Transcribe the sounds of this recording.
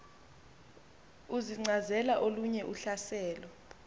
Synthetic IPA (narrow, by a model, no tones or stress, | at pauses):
uziŋ͡ǀʱazɛlaʔoluɲɛʔuɬasɛːlɔ